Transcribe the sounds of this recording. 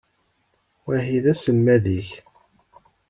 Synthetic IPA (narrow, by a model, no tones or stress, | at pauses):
wæɦiðæsəmːæðiç